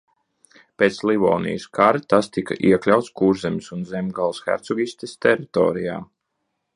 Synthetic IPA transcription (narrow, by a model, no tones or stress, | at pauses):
pʲeːt̪slivɔ̰ːnḭjəskaɾt̪ast̪ika̰ʔiɛklʲawt̪skuːɾzɛmʲisunzemɡalˠsxæ̰ɾt̪sɔɡʲisʲt̪ʲest̪ɛɾit̪ɔ̰ːɾija̰ː